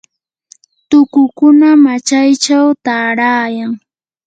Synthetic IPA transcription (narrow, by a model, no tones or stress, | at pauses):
t̪ʊkʊkʊnamat͡ʃajt͡ʃawt̪aːɾaːjaŋ